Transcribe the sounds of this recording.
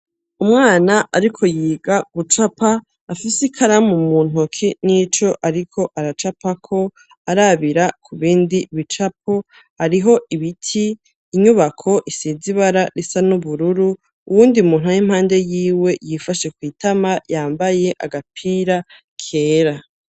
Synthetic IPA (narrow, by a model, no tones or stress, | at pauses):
umŋaːnaʔaɾikʰo̞jiːɡaɡ̥ut͡ʃapaː | fisikʰaɾamumuːn̥ɦokʰinit͡ʃo̞ʔaɾikʰo̞ʔaɾat͡ʃapakʰo̞ | aɾaβiɾakʰuβiːndiβit͡ʃap̚ʰo̞ | haɾiɦo̞ʔiβitʰiː | ɲuβakʰo̞ʔisiziβaɾaɾisanuβuɾuɾu | uwuːndiumuːn̥ɦajim̥haːnde̞jiːwe̞jifaʃekwiːtʰamajaːmbaje̞ʔaɡapʰiːɾa | kʰe̞ːɾa